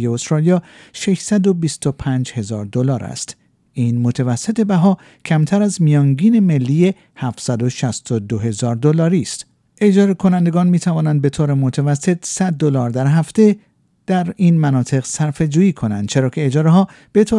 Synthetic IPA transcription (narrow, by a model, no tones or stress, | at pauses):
jeost̪ɾɒlijɒːʃe̞ʃsæd̪o̞bist̪o̞pʰæːnd͡ʒhe̞zɒːɾd̪o̞lɒːɾæ̰st̪ | iːnmot̪ʰevæsːe̞t̪ʰe̞bæɦɒː | cʰæmt̪ʰæɾæzmijɒːŋɟiːne̞me̞lːije | hæft̪sæd̪o̞ʃæst̪od̪oɦe̞zɒːɾd̪o̞lɒːɾiːst̪ | e̞d͡ʒɒːɾekʰo̞nænd̪e̞ɡɒːnmiːt̪ʰævɒːnænd̪̚be̞t̪ʰoːɾemot̪ʰevæsːe̞t̪ʰsæd̪̚ːolɒːɾd̪æɾɦæft̪e̞ | d̪̥æɾiːnmænɒːt̪ʰe̞ɣsæɾfe̞d͡ʒuːiːkʰo̞nænd̥̪̚t͡ʃʰe̞ɾɒːcʰe̞ːd͡ʒɒːɾeɦɒː | b̥e̞t̪ʰo